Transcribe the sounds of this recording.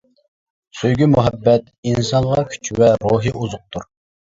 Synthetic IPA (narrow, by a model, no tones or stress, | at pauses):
søjɡʲymuɦɛbːɛt̪̚ | insɑnʁɑkʲʰy̥t͡ʃʰwɛɾoɦɨʔuzʊq̚t̪ʰuɾ